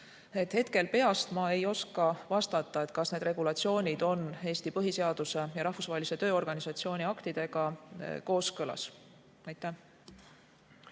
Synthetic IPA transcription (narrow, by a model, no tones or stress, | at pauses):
e̞t̪he̞t̪ke̞lpe̞ɑst̪mɑe̞jo̞skɑvɑst̪ɑt̪ːˑɑe̞t̪kɑsne̞d̪re̞ɡ̥ulɑt̪sio̞ːnʲid̪̥o̞ne̞ːst̪ipɤɦise̞ɑd̪̥use̞jɑɾɑhfusvɑɦelise̞t̪ø̞ːo̞rɡ̥ɑnisɑt̪sio̞ːnʲiɑkt̪id̪̥e̞ɡ̥ɑko̞ːskɤlɑ̰s | ɑjt̪ːˑæh